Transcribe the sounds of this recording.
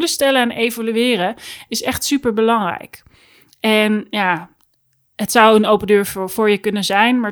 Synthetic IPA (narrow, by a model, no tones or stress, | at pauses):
ləstɛləɛnʔejvolyɪːrəɪsɛχtsypəɹbəlɑŋrɛ̰jk | ɛnjaː | ɦətsɑwənowpəndøːɹv̥ʊːɹjəkɵnəzɛjnmaː